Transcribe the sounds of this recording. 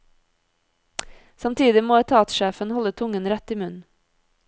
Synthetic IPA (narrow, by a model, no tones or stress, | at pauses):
sɑmt̪ʰiːd̪ɪmoːɛt̪ʰɑːt̪ʃeːfənhɔlət̪ʰʊŋənɾɛt̪iːmʉn